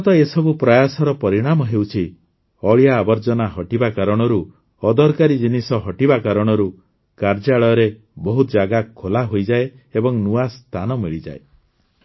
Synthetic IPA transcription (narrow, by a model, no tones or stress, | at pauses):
mɔt̪ɔesɔbupɾɔjasɔɾɔpɔɾiɽ̃amɔɦewt͡ʃʰi | ɔɭijaːbɔɾd͡ʒɔnaɦɔʈibakaɾɔɽ̃ɔɾu | ɔd̪ɔɾkaɾid͡ʒinisɔɦɔʈibakaɾɔɽ̃ɔɾu | kaɾd͡ʒaɭɔjɔɾe | bɔɦut̪ɔd͡ʒaɡakʰːolaɦojd͡ʒae | ebɔŋnuast̪ʰanɔmiɭid͡ʒa̰e